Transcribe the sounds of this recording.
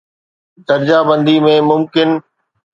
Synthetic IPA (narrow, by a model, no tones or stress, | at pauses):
d̪ɐɾd͡ʑaːbə̃nd̪imẽmʊmkɪn